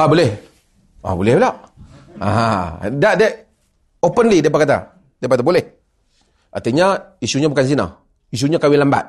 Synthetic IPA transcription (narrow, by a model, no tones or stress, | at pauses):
abolɛh | a̰bolɛhlaʔa̰ɦadaʔdɛ | opənlidɛpakat̪a̰ | dɛpakat̪abolɛh | at̪əɲaisuɲabukans̬ina̰ | is̬uɲakawilamba̰t̪̚